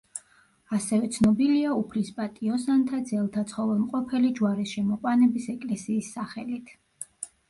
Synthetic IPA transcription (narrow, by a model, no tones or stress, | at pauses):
asɛvɛt̪sʰnɔbiliaupʰlispʼat̪ʼiɔsant̪ʰad̪zɛlˠt̪ʰat̪sʰχɔvɛmqʼɔpʰɛlid͡ʒuwaɾisʃɛmɔqʼwanɛbisɛkʼlɛsiːsːaχɛlit̪ʰ